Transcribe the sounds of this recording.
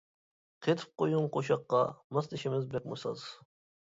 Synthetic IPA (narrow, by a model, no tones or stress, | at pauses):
qʰet̪ʰɪ̥p̚qojuŋqʰoʃɑqːɑmɑsnɪʃɪmɪzbɾɛk̚ʲmusɑ̰z